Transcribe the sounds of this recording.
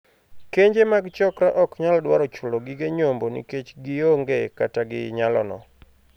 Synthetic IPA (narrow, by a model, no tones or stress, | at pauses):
keɲd͡ʒemaɡt͡ʃɔkɾaʔɔkɲaldwaɾɔt͡ʃʊloɡɪɡeɲombonḭket͡ʃɡɪjoŋɡekataɡɪ̰ɲalɔ̰nɔ̰